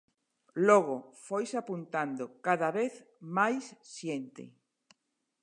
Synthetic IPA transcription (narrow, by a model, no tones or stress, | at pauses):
loɣofojsapunt̪and̪okaðaβeθ | majsːjent̪ɪ̰